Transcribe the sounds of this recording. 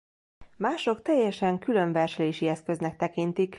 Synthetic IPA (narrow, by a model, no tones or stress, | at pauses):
maːʃo̞kt̪ɛjːɛʃɛŋkylø̞ɱvɛrʃɛleːʃiɛskø̞znɛk̚t̪ɛkint̪ik